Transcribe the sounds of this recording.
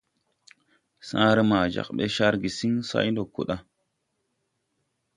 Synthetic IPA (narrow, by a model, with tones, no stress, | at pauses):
sã˦ɾə˦ma˨d͡ʒa̰˨kɓe˦ʃa˦ɾɡi˨si˦ŋsa̰˦jndo˨kːṵ˨ɗa˦